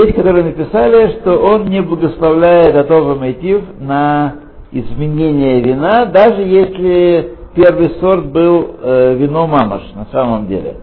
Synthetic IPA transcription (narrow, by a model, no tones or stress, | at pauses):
esʲkɐt̪oɾɨjnəpʲɪsalʲɪʂt̪oʔo̞nnʲɪblˠəɡəslˠɐvlʲæjɪt̪ɡɐt̪o̞vɨmɐt̪ʲifnə | ɪzmʲɪnʲenʲɪjəvʲɪnad̪aʐɨjesʲlʲɪpʲe̞rvɨjso̞rt̪̚bɨlˠvʲɪnomamə̰ʂnɐsaməmdʲḛlʲɪ̰